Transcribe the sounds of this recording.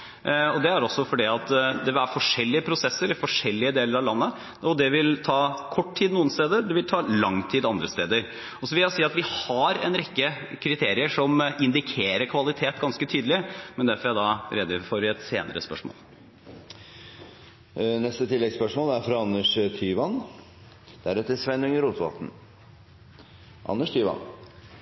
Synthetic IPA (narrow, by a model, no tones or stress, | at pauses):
ɔd̪ɛæɾɔsːɔfɔɖiːɑt̪d̪ɛʋæɾfɔʂɛlːɪəpʰɾʊsɛsːəɾfɔʂɛlːɪəd̪eːləɾɑʋlɑnːə | ɔd̪ɛʋɪlt̪ʰɑːkʰɔʈːtʰiːd̪nuːənst̪eːd̪əd̪ɛʋɪlt̪ʰɑːlɑŋːt̪ʰiːd̪ɑnd̪ɾəst̪eːd̪əɾ | ɔsɔʋɪlɑsiːɑt̪ʋɪhɑɾɛ̰nɾɛkːə | kʰɾɪt̪ʰeːɾɪəʂɔmɪnd̪ɪkʰeːɾəɾkʰʋɑlɪt̪ʰeːt̪ɡɑnskət̪ʰyːd̪lɪmɛnd̪æɾfɔɾæd̪ɑɾɛd̪ɪfɔɾəɛt̪seːnəɾəspœʂmo̰ːl | nɛst̪ət̪ʰɪlːɛɡspœʂmoːlæɾfɾɑɑnːəʂt̪ʰyːʋɑn | d̪̥æɾɛt̪ːəsʋɛnʉŋəɾuːt̪ʰʋɑ̰lt̪n̩ | ʔɑ̰nːəʂt̪ʰyːʋɑ̰n